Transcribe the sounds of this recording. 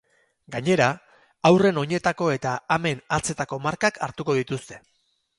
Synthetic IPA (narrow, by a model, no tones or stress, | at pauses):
ɡaɲe̞ɾa | awre̞no̞ɲe̞t̪ako̞e̞t̪aame̞nat͡se̞t̪ako̞maɾkakʰaɾt̪uko̞ðit̪ust̪e̞̥